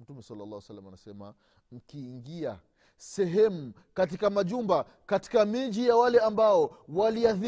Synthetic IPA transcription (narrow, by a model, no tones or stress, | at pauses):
m̩tumɛsalːlːaːwɛsalːamanasɛma̰ | m̩kiːŋɡia | sɛɦɛmu | katikamaʄumba | kati̥kamiʄijawalɛambaɔwaliaði